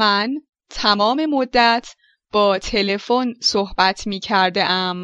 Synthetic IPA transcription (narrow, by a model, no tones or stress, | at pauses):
æn | t̪ʰæmɒːme̞mod̪ːæt̪ʰ | b̥ɒːt̪ʰe̞le̞fonsohb̥æt̪ʰmiːcʰæɾd̪eʔæm